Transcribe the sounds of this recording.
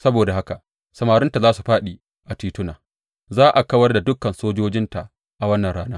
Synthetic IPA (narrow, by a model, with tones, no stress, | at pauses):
sɐ˦boː˨da˨ha˦ka˨ | sɐ˨maː˨ɾʊ˦nta˨zaː˦su˨ɸaː˦ɗi˨ | ʔa˨tiː˦tʊ˦naː˨ | zaː˦ʔa˨kɐ˦wɐ˦rda˨dʊ˦kːɐ˨nsoː˦d͡ʒoː˦d͡ʒɪ˦nta˨ʔ | ʔa˨wɐ˦nːɐ˨ɽaː˦naː˦